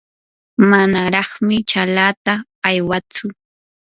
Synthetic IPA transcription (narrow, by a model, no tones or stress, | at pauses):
manaɾɑχmɪt͡ʃalat̪aː | jwat͡sʊ